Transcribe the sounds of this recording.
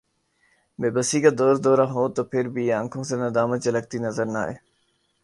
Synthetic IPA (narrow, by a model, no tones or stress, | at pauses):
meːbəsiːkəd̪oːɾd̪oːɾaːɦoːt̪oːpʰɪɾbiə̃ŋkʰõːsẽːnəd̪aːmət̪̚d͡ʑeːləɡ̚t̪iːnəzəɾna̰ːɦḛː